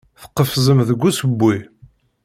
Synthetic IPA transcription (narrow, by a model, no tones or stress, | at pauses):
θə̥qːəfzəmðəɡʷːusəbːi